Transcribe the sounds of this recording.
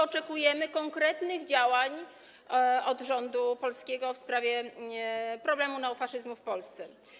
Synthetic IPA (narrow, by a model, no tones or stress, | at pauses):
ɔt͡ʂɛkujɛmɘkɔŋkɾɛt̪nɘɣd͡ʑawaɲ | ɔd̪ʐɔnd̪upɔlskʲeɛɡɔfspɾavʲjɛ | pɾɔblɛmunɛwfaʂɘzmufpɔlst̪sɛ